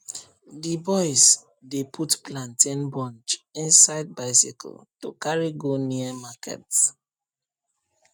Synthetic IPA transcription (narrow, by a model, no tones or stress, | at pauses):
dibɔɪs | depʰutplãntʰĩnbɔ̃nt͡ʃĩnsaɪd̚baɪsḭkʰɔ̰lto̰kaɹiɡoniəmakʰɛ̰t